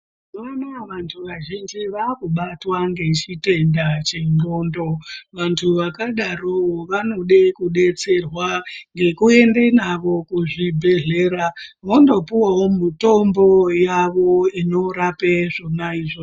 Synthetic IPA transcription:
ʋanaʋantʰuʋaʒind͡ʒiʋakuɓatwaŋɡe̞t͡ʃite̞ndat͡ʃe̞no̞ːndo̞ʋantʰuʋakaɗaroʋano̞ɗekuɗe̞t͡se̞rwaŋɡe̞kue̞ndenaʋo̞kuʐibʱe̞ɮe̞ːɾaʋondo̞piwawomuto̞mbo̞jaʋo̞ino̞ɾapeʐo̞naiʐo

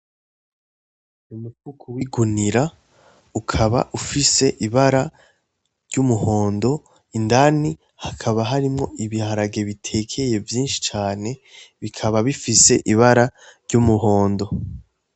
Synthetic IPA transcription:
umukukʰuwiɡuniɾa | ukʰaβa̰ʔufise̞ʔiβaɾa | ɾɟumuho̞ːndo̞ | indani | hakʰaβaɦaɾimŋo̞̰ʔiβihaɾaɡe̞βitʰe̞ːkʰe̞je̞vjiːnʃi̥t͡ʃaːne̞βikʰaβaβifise̞̰ʔiβaɾaɾɟumuɦo̞ːndo̞

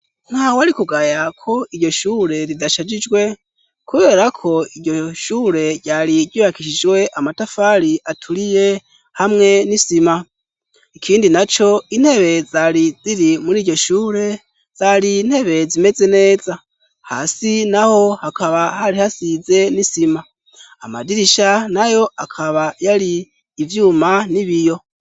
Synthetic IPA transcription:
n̥haːwaɾikuɡajakʰo̞iɾɟo̞ʃuːɾe̞ɾidaʃad͡ʒid͡ʒɡwe̞ | kuβe̞ːɾakʰo̞iɟɟo̞ʃuːɾe̞ɾɟaːɾidɟiβakiʃid͡ʒwe̞ʔamatafaɾiʔatʰuɾije̞ | hamŋe̞nisima | ikʰiːndinat͡ʃo̞in̥he̞βe̞zaɾid͡ziɾimuɾiːɾɟoʃuːɾe̞ | z̥aɾin̥he̞βe̞zime̞ze̞ne̞ːza | ha̰ːsinaho̞hakaβahaɾihasize̞nisimaː | ma̰diɾiʃanajo̞akʰaβajaɾiː | vjuːmaniβijo̞

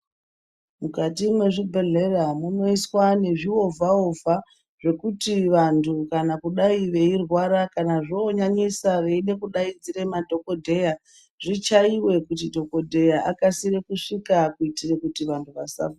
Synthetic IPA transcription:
mukatimwe̞ʐibʱe̞ɮe̞ramuno̞iswane̞ʐio̞vʱaovʱa | ʐ̥e̞kutiʋantʰukanakuɗaiʋe̞irwaɾakanaʐooɲaɲisaʋe̞ine̞kuɗaid͡ziremadʱo̞ko̞dʱe̞ja | ʐ̥it͡ʃaiwe̞kutidʱo̞ko̞dʱe̞jaʔakasiɾekuʂikakuitirekutiʋantʰuʋasa̰va

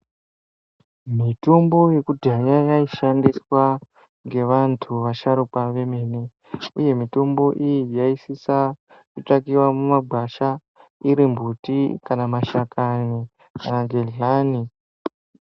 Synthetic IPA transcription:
mito̞mbo̞je̞kutiajajaiʃandiswa | ŋɡe̞ʋantʰuʋaʃaɾupaʋe̞me̞ne | uje̞mito̞mbo̞ʔijijaisisa | kutakiwamumaɡ͡bʱwaʃa | iɾimbʱutikanamaʃakani | kanaɡʱeɮani

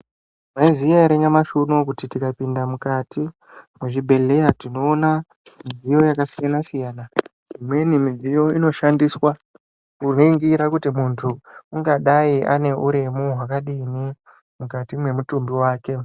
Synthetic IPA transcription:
ʐaizijaiɾeɲamaʃunokutitikapindamukatʰi | mweʐibʱe̞le̞jatino̞ːna | mid͡zijo̞jakasijanasijaːna | imwe̞nimid͡zijo̞ino̞ʃandiswa | kunoiŋɡiɾakutimuntʰuuŋɡaɗaiʔa̰ne̞ʔuɾemuɦwakaɗini | mukatimwe̞mutumbiwaːke̞

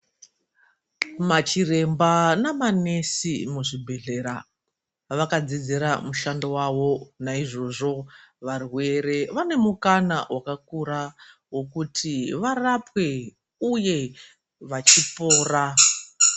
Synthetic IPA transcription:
mat͡ʃire̞mbanamane̞simuʐibʱe̞ɮe̞ɾa | ʋakad͡zid͡ziɾamuʃandowaʋo̞naiʐo̞ʐo̞ʋarwe̞re̞ʋane̞mukanawakakuɾa | wo̞kutʰiʋarapwe̞ | uje̞ | ʋat͡ʃipo̞ːra

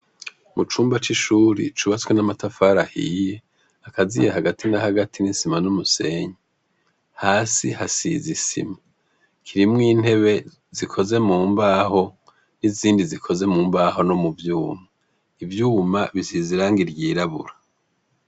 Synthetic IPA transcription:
mut͡ʃuːmbat͡ʃiʃuːɾḭt͡ʃuβat͡swenamatafaːɾahḭːje | akazijehaɡatʰinahaɡatʰinisimanumuse̞ɲe | haːsihasḭzisḭma | kʰiɾimŋiːn̥he̞βe̞ | zikʰo̞ze̞muːmbaho̞ | niziːndizikʰo̞ze̞muːmbaɦo̞no̞muvjuːma | ivjuːmaβisiziɾaːŋɡiɾɟiːɾaβṵɾa

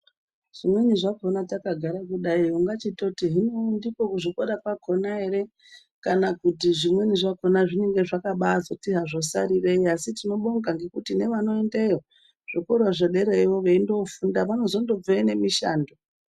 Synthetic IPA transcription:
ʐ̥imwe̞ɲiʐako̞natakaɡʱaɾakuɗaiuŋɡat͡ʃitotiɦinondikokuʐikoɗapako̞naɦe̞ɾe̞ | kanakutiʐimwe̞niʐako̞naʐine̞ŋɡe̞ʐakaɓaːzotiɦaʐo̞sa̰ɾireiasitino̞ɓoŋɡaŋɡe̞kutine̞ʋano̞endeo | ʐ̥okorwaʐoɗe̞ɾeiwo̞ʋeindo̞fundaʋano̞zo̞ndo̞b͡veine̞miʃa̰ːndo

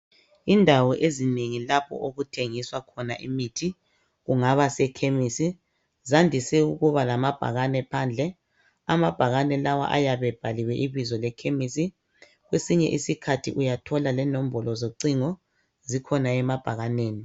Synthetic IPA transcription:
indʱawɔʔezineŋilapʰɔ̰ʔoɣutʰeŋiswakʰɔnaʔimitʰi | ɣuŋaβasɛkʰemisi | zandʱisɛuɣuβalamab̥ʱa̰ɣanɛpʰand͡ɮʱɛ | amab̥ʱaɣanɛlawa̰ʔa̰jaβɛb̥ʱaliwɛʔiβizɔlɛkʰemisi | ɣwesiɲɛ̰ʔisikʰatʰḭʔujatʰɔlalɛnom̩bɔlɔzoǀiŋɔ | zikʰɔnaɛmab̥ʱaɣaneːni

